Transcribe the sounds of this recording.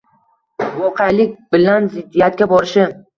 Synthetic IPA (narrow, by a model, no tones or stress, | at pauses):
vɒqʰejalɪk̚ʲbɪlanzɪd̪ːijat̪̚kʲabɒɾɪʃɪ